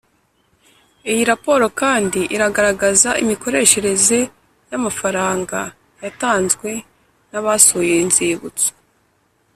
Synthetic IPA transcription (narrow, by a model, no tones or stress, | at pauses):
ijiɾapo̞ːɾo̞kaːndiʔiɾaɡaɾaɡazaʔimiko̞ɾe̞ʃe̞ɾe̞ze̞ | jamafaɾaːŋɡa | jataːnzɡwe̞ | naβasujeinziβut͡so̥